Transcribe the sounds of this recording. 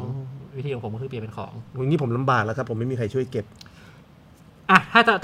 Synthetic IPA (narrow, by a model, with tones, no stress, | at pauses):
wt̪ʰiː˧˩ɔ˨˩pʰkːʰɯ˧pi˨˩ə˩pe˧nkʰɔ̰ː˩˦ŋa˧ŋiː˦˥pʰmla˧mbaː˨˩k̚la˦˥kʰa˦˥pʰːo˩˦ma˥˩miː˧kʰa˧jt͡ɕʰu˥˩ə˨jke˨˩p̚ | ʔa˧˩t̪ʰaː˥˩ta˨˩t̪